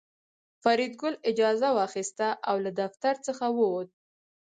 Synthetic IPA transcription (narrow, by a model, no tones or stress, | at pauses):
faɾid̪̚ɡʊlɪd͡ʒɑzawɑxist̪aʔawlad̪aft̪aɾt͡səxawəwod̪̚